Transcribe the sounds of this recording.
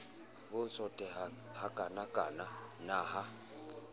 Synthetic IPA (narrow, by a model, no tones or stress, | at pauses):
bʊt͡sʰʼɔtʼɛhakʼanakʼaːnanaɦa